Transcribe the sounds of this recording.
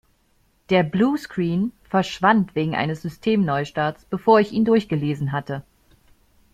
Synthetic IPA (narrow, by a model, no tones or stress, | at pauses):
d̥eːɐbluːskʁ̥iːnfɛɐʃv̥antv̥eːɡŋ̩ʔa̰ɪnəsz̥ʏstʰeːmnɔʏʃtaːt͡sb̥əfoːɐɪçiːndʊɐçɡ̥əleːzn̩ɦatə